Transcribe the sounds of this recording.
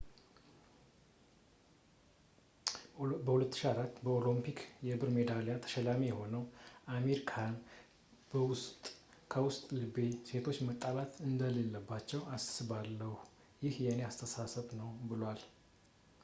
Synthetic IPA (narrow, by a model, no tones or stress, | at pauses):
bəhulət̪ːɨ̥ʃiaɾat̪ːbəolimpʰikjɛbɨɾme̞d̪aljat̪ʰə̥ʃɛlamijɛho̞nəwʔame̞ɾikʰan | bəwʊst̪ʼkʰəwʊst̪ʼlɨbe̞se̞t̪ʰo̞t͡ʃːmət̪ʼːalat̪ʰɨnd̪əle̞lːəbːat͡ʃːɛwassɨβalːəhu | jɪhjɛneast̪ʰəsasəβnəwbɨlwal